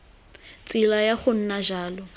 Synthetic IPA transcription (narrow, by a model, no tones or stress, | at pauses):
t͡sʼɪlajaχʊn̩naʒaːlɔ